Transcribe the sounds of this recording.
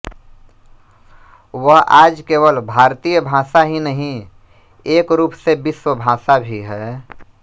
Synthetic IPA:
wəɦaːd͡ʒkeːwəlbʱaːɾt̪ijəbʱãːsaɦinəɦĩ | eːkɾuːpsebɪswəbʱãːsabʱiɦɛː

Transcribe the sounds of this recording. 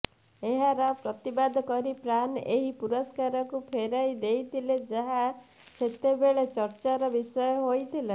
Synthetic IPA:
eɦaɾɔpɾɔt̪ibad̪ʱkɔɾipɾaneɦipuɾɔskaɾɔkupʰeɾajd̪ejt̪ʰiled͡ʒaɦa | set̪ebeɭet͡ʃɔɾt͡ʃaɾɔbisɔjɔɦojt̪ʰile

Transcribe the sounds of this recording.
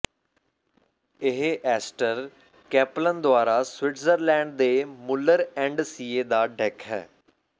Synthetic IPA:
ɪɦeʔɛːsʈəɾ | kɛːplənd̪ʊaːɾaːswɪʈzəɾlɛ̃ːɳɖ̚d̪eːmʊlːəɾɛ̃ːɳɖsiːeːd̪aːɖɛkʰɦɛ̰ː

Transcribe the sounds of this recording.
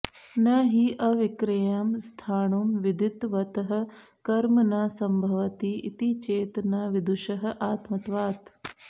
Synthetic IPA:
nɐɦiʔɐʋɪkɾɐjɐmst̪ʰaːnumʋɪd̪ʱɪt̪ʋɐt̪ɐɦɐ̆ | kɐɾmɐnaːsɐmbʱɐʋɐt̪iʔḭt̪it͡ʃeːt̪naːʋɪd̪uʃɐɦɐ̆ʔaːt̪mɐt̪ʋaːt̪

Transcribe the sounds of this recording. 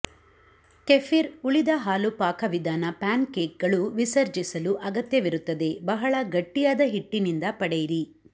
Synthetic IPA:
kefiɾuɭid̪ɐɦaːlupaːkʰɐʋid̪ʱaːnɐpaːnkeːk̚ɡɐɭuʋisɐɾd͡ʒisɐluʔɐɡɐt̪jɐʋiɾut̪ːɐd̪e̞bɐɦɐɭɐɡɐʈːijaːd̪ɐɦiʈːinind̪ɐpɐɽejiɾi

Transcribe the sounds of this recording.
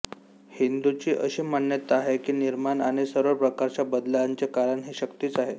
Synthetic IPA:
hind̪ut͡ɕiːʔəɕiːmanːjət̪aaɦekiːniɾmanaɽ̃isəɾʋəɭpɾəkaɾt͡ɕabəd̪laɲt͡ɕekaɾəɳɦeɕəkt̪iːt͡saɦe

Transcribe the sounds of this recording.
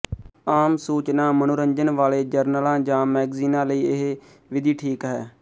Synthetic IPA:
aːmsuːt͡ʃnãːmənʊɾəɲd͡ʒənʋaːleːd͡ʒəɾnəlãːd͡ʒãːmɛːɡziːnãːləiːɪɦ | ʋɪd̪iːʈʰiːkɦɛː

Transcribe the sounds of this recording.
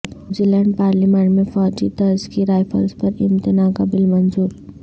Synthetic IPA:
d͡ʒilɛɳɖ̚paːɾlimaːnmẽfɔːd͡ʒit̪ɐɾzkiɾaːjfʰə̰ɾzpɐɾɪ̃mt̪ɪnakabɪlmɐnzuːɾ

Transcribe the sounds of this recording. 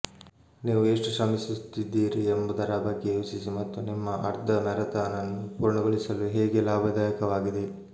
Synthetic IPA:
niːʋue̞ːʂʈuʃɐmisist̪id̪ːiːɾiembɐd̪ɐɾabɐɡːejoːsisimɐt̪ːunimːɐʔɐɾd̪ɐmɛɾɐt̪aːnɐnːupuːɾɳɐɡoɭisɐluɦeːɡelaːbʱɐd̪aːjɐkɐʋaːɡid̪e̞

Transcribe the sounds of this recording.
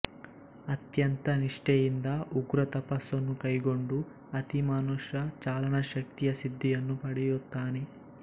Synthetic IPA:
ɐt̪jɐnt̪ɐniʂʈejind̪ɐuɡɾɐt̪ɐpɐsːɐnːukɐjɡo̞ɳɖu | ɐt̪imaːnuʃɐt͡ʃaːlɐɳɐʃɐk̚t̪ijɐsid̪ʱːijɐnːupɐɽɛjut̪ːaːne

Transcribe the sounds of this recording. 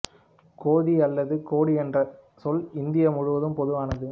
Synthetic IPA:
koːðiɐlːɐðɯkoːɽiɛndrɐ | sɔlɪnd̪ɪjɐmʊɻʊʋɐðɯmpɔðɯʋaːnɐðɯ

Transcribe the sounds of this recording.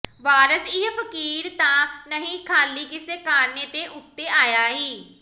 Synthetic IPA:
ʋaːɾəsɪɦfəkiːɾt̪ãːnəɦĩkʰaːliːkɪseːkaːɾneːt̪eːʔʊt̪ːeːʔaːjaːɦiː

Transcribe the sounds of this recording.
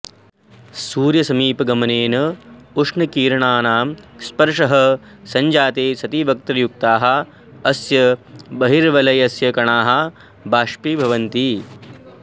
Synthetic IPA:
suːɾjɐsɐmiːpɐɡɐmɐneːnɐuʂɳɐkiːɾɐɳaːnaːmspɐɾʂɐɦɐsɐɲd͡ʒaːt̪eːsɐt̪iʋɐk̚t̪ɐɾjuk̚t̪aːɦɐ̆ | ɐsjɐbɐɦiɾʋɐlɐjɐsjɐkɐɳaːɦɐ | bʱaːʂpibʱɐʋɐnt̪i

